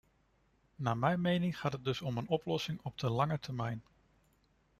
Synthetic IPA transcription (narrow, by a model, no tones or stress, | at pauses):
naːmɛjmejnɪŋχaːtɦəd̚dɵsɔmənɔplɔsɪŋɔb̚dəlɑŋəɹtʰɛɹmɛjn